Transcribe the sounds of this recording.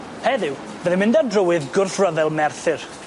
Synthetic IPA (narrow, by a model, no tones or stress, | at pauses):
hɛðɪw | vɛðɪmɪ̃ndadrəwɨðɡʊrθrəðɛlˠmɛrθɨr